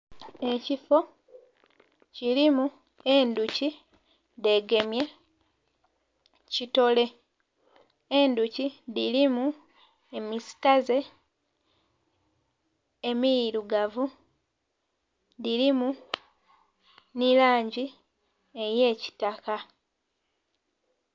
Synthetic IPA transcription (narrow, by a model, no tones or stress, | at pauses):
e̞cifo̞ | ciɾimu | e̞nduci | de̞ɡe̞mje̞ | cito̞le̞ | enducidilimu | e̞misi̥taze̞ | emijiɾuɡavu | diɾimu | nilaːɲɟi | ejeːci̥taka